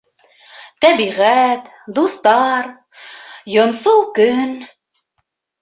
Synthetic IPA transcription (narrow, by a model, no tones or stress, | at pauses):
t̪æbiʁæt̪ | d̪uθt̪ɑɾ | jŏnsuwkɵn